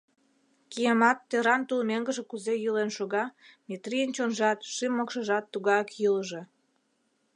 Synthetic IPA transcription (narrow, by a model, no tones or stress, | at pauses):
kijəmɑt̪ːeɾɑnt̪ulmeŋɡəʒĕkuzejɯlenʃoɣɑmʲet̪rijənt͡ɕonʒɑt̪ʃimːokʃə̆ʒɑt̪ːuɣɑjɑkjələʒĕ